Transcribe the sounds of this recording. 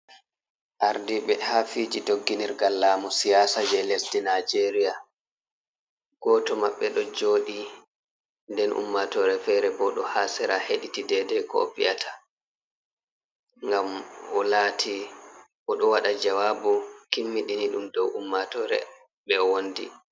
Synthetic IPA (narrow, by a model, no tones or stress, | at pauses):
ʔaɾdiɓɛhafid͡ʒidoɡːiniɾɡalːaːmusijaːsad͡ʒɛlesdinad͡ʒeɾija | ɡ̥ɔtɔmaɓːɛɗɔd͡ʒoːɗi | ndɛnʔṵmːatɔːɾɛfɛɾɛbɔɗɔhaːsɛɾaheɗitidɛdɛkɔ̰pḭatʰa | ŋɡamɔlaːtʰi | ʔɔɗɔwaɗad͡ʒawaːbukimːiɗiniɗumdɔwʔumːatɔɾɛ̰ | ɓɛwondḭ